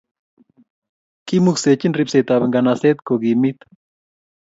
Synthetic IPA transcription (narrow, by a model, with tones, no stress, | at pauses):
ki˦mukse˨t͡ʃi˦nri˧pse˨t̪a˨βe˨ŋɡa˨nase˦t̪ko˨ɡi˨mit̪